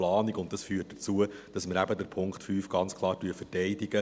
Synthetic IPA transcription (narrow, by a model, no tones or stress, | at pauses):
lɑːniɡʊntd̥ɑsfyːərt̚d̥ət͡suəd̥ɑsməɾæbədəɾpʰʊŋkχtfyːfɡ̥ɑnt͡skʰlˠɑːɾtyəfətɛɪdiɡə